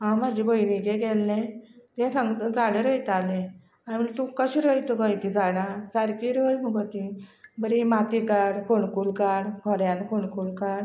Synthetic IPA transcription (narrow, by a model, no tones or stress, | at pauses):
ɦãm̤ad͡ʑibəjɽĩɡeɡɛlːẽt̪ɛ̃saŋɡt̪əd͡zaɽẽɾəjt̪alẽ | anmilt̪ũkəɕiɾəit̪əɡəjk̪id͡zaɽãt͡saɾkiɾəjmuɡət̪ibəɽimat̪ikaɽkʰoɳkulkaɽkʰɔɾjãnkʰoɳkulkaɽ